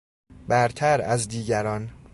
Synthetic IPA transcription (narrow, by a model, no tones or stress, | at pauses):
bæɾt̪ʰæɾæzd̪iːɟæɾɒːn